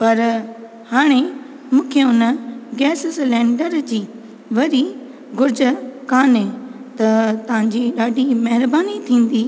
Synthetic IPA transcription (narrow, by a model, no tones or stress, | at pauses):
pɐɾ | haːɽ̃e | mũːkʰeʊnəɡɛːsslɛ̃ːɳɖəɾd͡ʑiː | ʋɐɾi | ɡʊɾd͡ʑəkaːnẽt̪ɐt̪ɐʋ̤ãɲd͡ʑiːɗaːɖʱimɐɦɪɾbaːnit̪ʰĩːn̆d̪iː